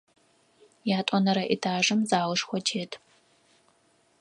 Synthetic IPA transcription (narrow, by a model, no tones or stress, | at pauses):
jaːtʷʼɔnɐɾɐʔitʰaːʒɨmzaːwʊʂxʷɔtʰeːtʰ